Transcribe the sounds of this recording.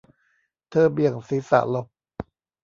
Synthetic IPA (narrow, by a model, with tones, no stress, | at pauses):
t̪ʰɤː˧˩bi˨˩əŋsi˨˦sa̰˧˩ʔlo˧˩k̚